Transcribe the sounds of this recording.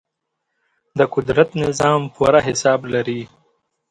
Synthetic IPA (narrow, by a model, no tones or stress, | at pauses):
d̪əkʊd̪ɾat̪nɪzɑːmpuɾaɦɪsɑːblaɾi